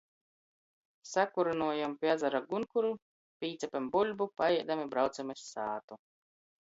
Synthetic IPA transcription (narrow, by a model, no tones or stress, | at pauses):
sakuɾunuɔjampʲiad̪zaɾaɡunkuɾu | pʲiːt̪sʲɛpʲembulʲbupajɛɛd̪amibɾawt̪sɛmasʲːaːt̪u